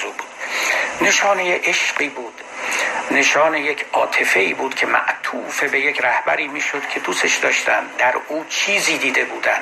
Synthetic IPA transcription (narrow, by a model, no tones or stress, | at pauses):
ubuːd̪ne̞ʃɒːnejeʔeʃɢiːbuːd̪̥ | ne̞ʃɒːnejecʰɒ̰ːt̪ʰe̞fe̞iːbuːd̪̥cʰe̞mæ̰ʔt̪ʰuːfe̞bejecʰɾæhbæɾiːmiːʃod̪̥kʰe̞d̪uːseʃd̪ɒːʃt̪æ̰nd̪æɾuːt͡ʃʰiːziːd̪iːd̪e̞buːd̪æn